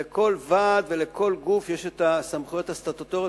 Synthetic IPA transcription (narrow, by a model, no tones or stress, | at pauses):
eko̞lvad̪ve̞le̞kʰo̞lɡufjeʃet̪asamχujot̪ast̪at̪ot̪oʁe